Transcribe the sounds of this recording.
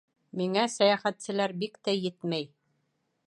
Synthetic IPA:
miŋæsæjæχæt̪sɘ̆læɾbikt̪æjɘt̪mæj

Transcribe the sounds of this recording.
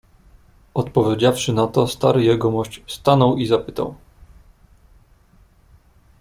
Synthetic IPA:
ɔt̪pɔvʲjed͡ʑafʂɘnat̪ɔst̪aɾɘjɛɡɔmɔɕt͡ɕst̪anɔwizapɘ̥t̪a̰w

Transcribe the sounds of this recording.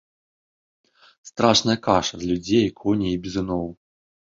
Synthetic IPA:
st̪ɾaʂnɐjɐkaʂɐzʲlʲud͡zʲejkʰɔnʲiibʲizɨnɔw

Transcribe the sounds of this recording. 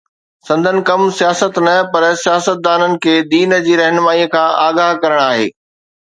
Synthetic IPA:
sɐ̃nd̪ʱənɪ̆kɐmsijaːsət̪nɐpɐɾsijaːsət̪̚d̪aːnənɪ̆kʰeːd̪iːn̆d͡ʑiːɾɐɦnmaːikʰãːʔaːɡaːɦkɐɾəɽ̃aːɦḛː

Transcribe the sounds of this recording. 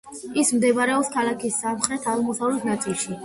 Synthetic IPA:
ismd̪ɛbɾɛɔpskʰalˠakʰisːamχɾɛt̪ʰaʁmɔsavlɛt̪ʰnat̪sʼilˠʃi

